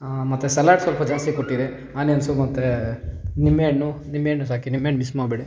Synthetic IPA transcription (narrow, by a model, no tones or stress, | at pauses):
mɐt̪ːesɐlaːɖsʋɐlpɐd͡ʒaːst̪ikoʈːid̪e | aːnensumɐt̪ːe | nimːeːɳːunimːeːɳːus̬aːkinimːeːɳmismaːbeɽi